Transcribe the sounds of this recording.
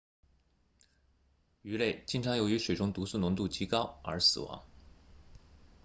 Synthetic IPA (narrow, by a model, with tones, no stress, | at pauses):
y˧˥le˥˩ɪt͡ɕi˥ŋʈ͡ʂʰɑ˧˥ŋjo˧˥ʊy˧˥ʂwe˨˩ɪʈ͡ʂʊ˥ŋt̪u˧˥su˥˩nʊ˧˥ŋt̪u˥˩t͡ɕʰi˧˥kɑ˥ʊə̰˞˧˥sɹ̩˨˩wɑ̰˧˥˦ŋ